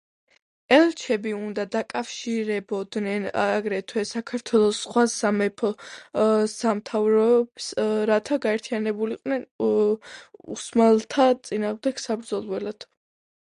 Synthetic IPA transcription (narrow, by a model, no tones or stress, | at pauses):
ɛlˠt͡ʃʰɛbiund̪ad̪akʼafʃiɾɛbɔd̪nɛnaɡɾɛt̪ʰwɛsakʰaɾt̪ʰwɛlˠɔsːχwasamɛpʰɔ | samt̪ʰavɾɔb̥sɾat̪ʰaɡaɛɾt̪ʰianɛbuliq̪ʼnɛn | ṵsmalˠt̪ʰat̪sʼinaːʁmd̪ɛɡ̥sabɾd̪zɔlˠwɛlad̪̥